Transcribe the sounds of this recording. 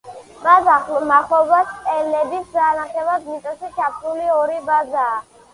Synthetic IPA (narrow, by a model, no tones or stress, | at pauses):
mazaχlmaχɔbast̪ʼɛlɛbisdaːnaχɛlad̪misʼɔsit͡ʃʰapʰɾuliɔɾibazaː